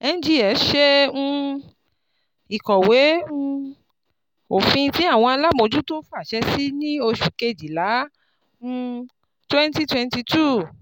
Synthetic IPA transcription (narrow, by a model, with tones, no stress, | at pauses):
ɛ˧n˦d͡ʒi˦ɛ˨˦ʃɛ̃˦˧ | i˨kɔ˨wẽ˨˦ | o˨fĩ˧ti˨˦a˦˨w̃ɔ̃˧a˧la˦mo˧˦d͡ʒu˦to˦fu˦a˦˨ʃɛ˧si˦nĩ˦o˧ʃu˨ke˧d͡ʒi˨lã˨˦˧ | twɛ˦nti˦twɛ˧nti˧tu˦˨